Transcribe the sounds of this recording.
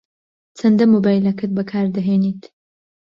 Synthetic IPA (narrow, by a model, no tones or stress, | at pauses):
t͡sʰɐnd̪ɐmoːbaːjlɐkʰɐt̪̚bɐkʰaːɾd̪ɐɦeːniːt̪